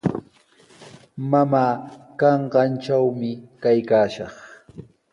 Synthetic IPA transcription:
mamaːkɑɴɢɑnt͡ʃawmɪkajkaːʃɑχ

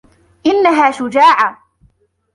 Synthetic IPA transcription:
ʔɪnːaɦaːʃʊd͡ʒaːʕa

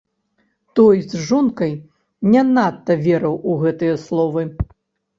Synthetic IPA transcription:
t̪ɔjzʐɔnkɐj | nʲɛnat̪ːɐvʲɛɾɐwuɣɛt̪ɨjɐslˠɔvɨ

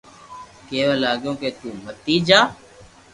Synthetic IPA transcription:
keːʋeːlaːɠjõːkeːt̪uːmət̪iːd͡ʒaː

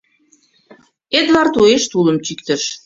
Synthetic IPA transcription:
ed̪βɑrt̪ueʃt̪uləmt͡ɕykt̪ə̆ʃ

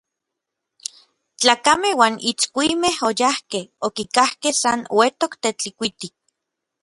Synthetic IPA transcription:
t͡ɬaːkamehwaːnit͡skʷimehojahkehokikahkehsanwet̪okt̪et͡ɬikʷit̪ik̚

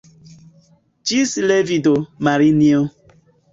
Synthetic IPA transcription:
t͡ʃislevidomaɾinio

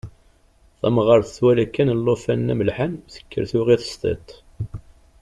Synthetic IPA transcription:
θæ̰mʁəɾθə̥θwælækːænəlːofænːæməlħanθə̥kːə̰ɾθuʁiθə̥st̪ḛt̪ˤ

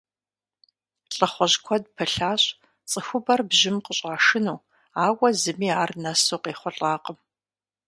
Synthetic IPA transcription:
ɬʼɐχʷɔʑkʷʰɔd̚pʰɐɬaːɕʼ | t͡sʼɨxʷʊbɐrbʑɪmqəɕʼaːʂɨnuː | aːwɐzɨmiːaːrnɐsoːqeːχʷɔɬʼaːqəm

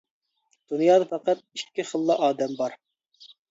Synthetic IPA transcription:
d̪̥unjɑːd̪ɑfæqɑt̪̚ikʲːɪχəlˠːɑʔɑːd̪ɛmbɑɾ

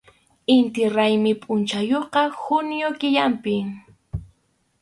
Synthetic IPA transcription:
ɪnt̪ɪɾajmɪpʼʊnt͡ʃajoqɑxʊnɪjokɪʎampɪ

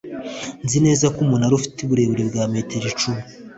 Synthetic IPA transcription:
nzine̞ːzakumunaɾufi̥tuβuɾe̞βuɾebɡaːme̞ːteɾit͡ʃumu

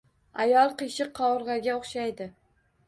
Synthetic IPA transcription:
ajɒlˠqɨʃɪqʰːɒʊɾʁɑɡʲaoχʃajd̪ɪ

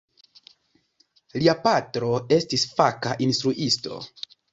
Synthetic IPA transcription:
liapatɾo̞e̞stisfakaʔinstɾuʔisto̞̰

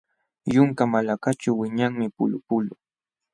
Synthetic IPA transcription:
jʊŋkamalakat͡ʃaːɪɲaŋmɪpʊ̰lʊpʊlʊ

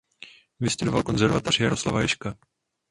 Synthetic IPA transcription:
vɪst̪udovalko̞nzɛɾvat̪ar̝jaɾosla̰vajɛʃka

